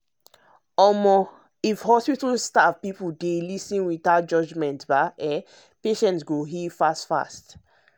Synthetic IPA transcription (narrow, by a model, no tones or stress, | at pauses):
ɔmɔ | ifhɔspitlstavpipudelisĩnwiðad͡ʒɔd͡ʒmɛ̃ntbaɛ | peʃɛ̃ntsɡoɦifastfa̰st